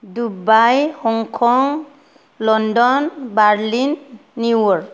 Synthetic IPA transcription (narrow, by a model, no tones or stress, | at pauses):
dubajhɔŋkʰɔŋ | lɔndɔnbaɹlinːiwɔɹ